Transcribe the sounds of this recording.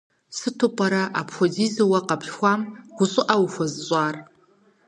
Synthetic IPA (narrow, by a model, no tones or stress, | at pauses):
sɨtʰopʼaɾaʔapʰozizawaqʼapʰʃxʷamɡ̥ʷʊsʼʊʔawfʷazt͡sʷʼar